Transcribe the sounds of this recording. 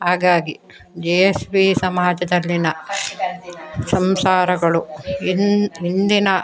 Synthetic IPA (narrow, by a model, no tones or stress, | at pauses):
ɦaːɡaːɡi | d͡ʒejesbiːsɐmaːd͡ʒɐd̪ɐlːinɐ | sɐmsaːɾɐɡɐɭu | ind̪inɐ